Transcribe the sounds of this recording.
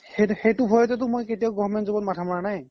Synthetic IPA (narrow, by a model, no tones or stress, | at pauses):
xexejtʊbʱɔjɔtɛt̬ʊmojketijaɡɔɔmɛntzɔbɔtmatʰamɔɹanaj